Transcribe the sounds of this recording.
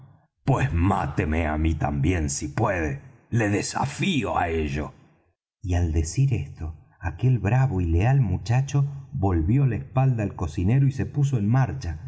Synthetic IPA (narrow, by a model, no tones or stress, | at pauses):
pwesma̰t̪emea̰mit̪a̰mbje̞nsipweðe | le̞ðesa̰fio̰a̰eʒo | iald̪e̞siɾest̪o̞ | ake̞lβɾaβoilealmut͡ʃat͡ʃoβo̞lβjo̞laespald̪aːlko̞sine̞ɾoise̞pus̬oenmaɾt͡ʃa